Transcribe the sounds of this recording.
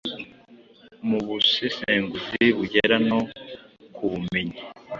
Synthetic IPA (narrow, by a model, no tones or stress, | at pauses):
muβusifeːŋɡuziβuɟeɾanokʰuβume̞ɲe